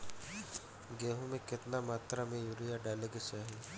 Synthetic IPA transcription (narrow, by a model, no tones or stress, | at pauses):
ɡeːɦũmẽkɪt̪namaːt̪ɾamẽjuːɾijaɖaːleɡet͡ʃaːɦi